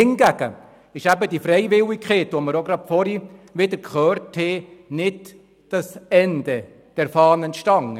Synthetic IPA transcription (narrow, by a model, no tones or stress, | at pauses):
ɪŋɡ̥æɡ̥ə̰ | ɪʃæbədifɾɛɪʋɪlikχeːtʋoməɾoɡɾɑtfɔɾiʋɪd̪əɾkχøːrthɛnɪd | d̥ɑsɛnd̥̪ɛ | d̥ɛɾfɑːnənʃtɑŋː